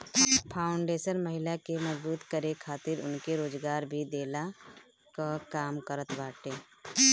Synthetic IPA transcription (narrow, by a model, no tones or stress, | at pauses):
pʰaːʊɳɖeːsənməɦɪlakeməd͡ʒbuːt̪kəɾekʰaːt̪ɪɾʊ̰nkeɾoːd͡ʒɡaːɾbʱid̪eːla | kakaːmkəɾət̪baːʈeː